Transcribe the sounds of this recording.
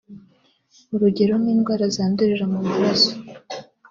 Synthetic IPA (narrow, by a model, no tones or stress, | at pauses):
uɾuɟe̞ɾo̞nwiːnɡwaːɾazaːnduɾiɾamumaɾaso̥